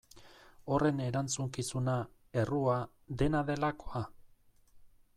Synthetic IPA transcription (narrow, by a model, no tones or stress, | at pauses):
o̞re̞ne̞ɾant͡suŋkisuna | e̞rua | d̪e̞naðe̞lako̥a